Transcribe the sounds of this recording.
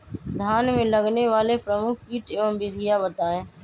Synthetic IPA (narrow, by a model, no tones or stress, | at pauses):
d̪ʱaːnmẽːləɡneʋaːlepɾəmʊkʰːiːʈeməmbid̪ʱijabət̪aːẽː